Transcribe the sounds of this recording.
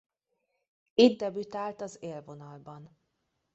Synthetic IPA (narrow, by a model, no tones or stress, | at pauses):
id̪̚d̪ɛbyt̪aːlt̪ɒzeːlvo̞nɒlbɒn